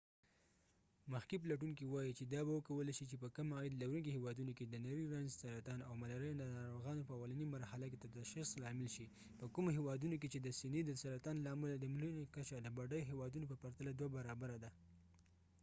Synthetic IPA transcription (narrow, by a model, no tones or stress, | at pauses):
maxkip̬laʈ̬uŋkiwɑjit͡ʃed̪ɑbawəkawəlaʃit͡ʃepəkamɑjid̪lawɾuŋkihewɑd̪unoked̪ənaɾiɾanzsaɾɑt̪ɑnawmalaɾajnd̪ənɑɾoɣɑnopəawalanimaɾhalaket̪ad̪aʃxislɑmɪlʃi | pəkumoɦewɑd̪unok̬et͡ʃed̪əsɪnid̪əsaɾɑt̪ɑnlaːmʊlad̪əmlunkat͡ʃad̪əbaɖajoɦewɑd̪unopəpaɾt̪alad̪wabaɾɑbaɾad̪a